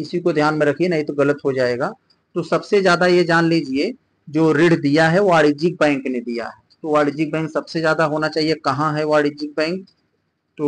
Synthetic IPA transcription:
ɪsikod̪ʱjaːnmẽɾɐkʰienɐɦĩt̪oɣɐlət̪ɦod͡ʒaːeːɡaː | t̪osɐbsezjaːd̪ajed͡ʒaːnlid͡ʒie | d͡ʒoːɾɪɽd̪ijaɦɛaːɽid͡ʒɪk̚bɛ̃ːŋkned̪ija̰ɦɛːt̪oʋaːɽɪd͡ʒik̚bɛ̃ːŋksɐbsezjaːd̪aɦoːnat͡ʃaːɦiekɐɦãɦɛʋaːɽid͡ʒɪk̚bɛ̃ːŋk̚ | t̪o

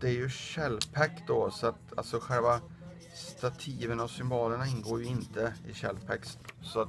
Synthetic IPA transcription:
d̪̥ɛæɾjɵɕɛlːpʰɛkt̪̚d̪ɔsɔat̪a̰lsɔɧɛlva | st̪at̪ʰiːvənavsʏmbɑːləɳaɪnːɡoːɾjɵɪnt̪əɪɕɛlːpʰɛkssɔat̪

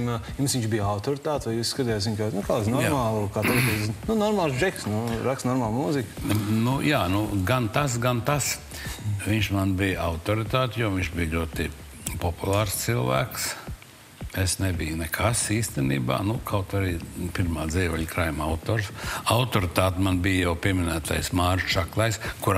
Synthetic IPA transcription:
mjumsʋiɲt͡ʃbijawt̪ɔɾit̪aːt̪ʋajuːssːkat̪iːjaːt̪ziɲʲkaːnukaːznɔjmaːlˠkaːt̪ut̪ɛzinunɔɾmalˠsd͡ʒɛksnuɾakst̪nɔɾmaːlˠmuːzikʲnujaːnuɡant̪as̬ɡant̪as | ʋiɲʃmanbijaʊt̪ɔɾit̪aːt̪ʲjɔʋiɲʃbijʎʲuɔt̪i | pɔpulˠaːɾst̪silˠʋæ̰ːks | esnebijnɛkʰasiːst̪ɛnḭːba̰ːnukʰawt̪aɾiːpiɾmaːd̪ziɛʋɛʎkɾajmawt̪oːɾsawt̪ɔɾɪt̪aːt̪manbijjawpiɛmɪnæːt̪a̰jsmaːɾʃt͡ʃaklˠajskuɾ

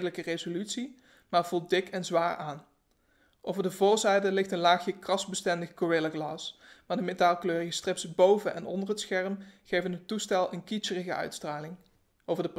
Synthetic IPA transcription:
dələkərezolytsi | maːɹv̥ul̚ˠdɪkʰɛnzʋaːɹaːn | ʔowvəɹdəvʊːɹzɛjdəlɪxtənlaːxjəkrɑsbəstɛndəxkoɹeləxlaːsmaːɹdəmetaːlˠkløːrəɣəstrɪpsəbowvənʔɛ̰nɔ̰ndərɦətsxɛrmχejvənɦətustɛlˠənkisərəɣəœ̰ɥtstraːlɪŋ | owvəɹdəp

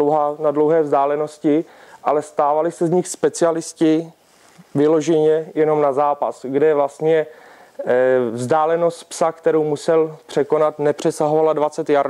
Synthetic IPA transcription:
owɦaːnadlowɦɛːvzdaːlɛno̞scɪ | ʔalɛst̪aːvalɪsɛzɲɪxspɛt͡sɪalɪscɪ | vɪlo̞ʒɛɲɛjɛno̞mnazaːpa̰sɡdɛvlast̪ɲɛ | vzdaːlɛno̞st̪psakt̪ɛɾowmusɛlpr̝̥ɛko̞nat̪nɛpr̝̥ɛsaɦovaladvat͡sɛt̪jaɾ

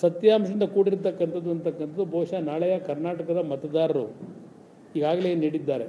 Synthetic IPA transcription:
sɐt̪jaːmʂɐind̪ɐkuːɽiɾt̪ɐkːɐnt̪ʰɐd̪ːuɐnt̪ɐkːɐnt̪ɐd̪ubʱɐːʂanaːɭɐjɐkɐɾnaːʈɐkɐd̪ɐmɐt̪ɐd̪aːɾɐɾu | iːɡaːɡɐleːniːɽid̪ːaːɾe

